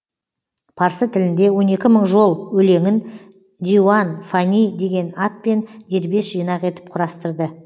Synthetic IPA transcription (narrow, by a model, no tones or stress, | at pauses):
pʰɑɾsət̪ʰɪlɪnd̪e̞wo̞ne̞kʲɪməɴʒo̞lˠwɵle̞ŋɪn | d̪ʲiuanfanʲijd̪e̞ɡʲe̞nɑt̪̚pe̞nd̪e̞ɾbe̞sʒ̥ijnɑqe̞t̪ɪ̥p̚qʰʊɾɑst̪əɾd̪ə